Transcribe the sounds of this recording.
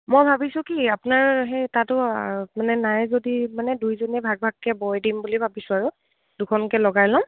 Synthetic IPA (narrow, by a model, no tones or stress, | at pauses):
mɔjbʱabisʊ̃kiapʊnaɹɦetatʊmanɛnajzodimanɛdujzonɛbʱaɡ̚bʱaɡ̚kɛbɔjdimbulibʱabisʊ̃aɹʊ | d̥ukʰɔnkɛlɔɡajlɔm